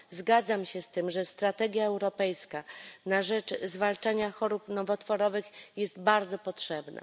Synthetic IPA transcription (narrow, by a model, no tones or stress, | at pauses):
zɡad̪zamɕɛst̪ɘmʐɛst̪ɾat̪ɛɡʲjaɛwɾɔpɛjskanaʐɛt͡ʂzvalt͡ʂaɲaxɔɾupnɔvɔt̪fɔɾɔvɘxjɛst̪baɾd̪zɔpɔtʂɛbnɛ̰